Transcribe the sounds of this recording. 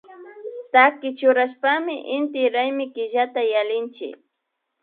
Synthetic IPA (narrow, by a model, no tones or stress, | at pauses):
t̪akɪt͡ʃʊɾaʃpamɪʔɪnt̪ɪɾajmɪkɪʒat̪ajalɪnt͡ʃɪ̰k̚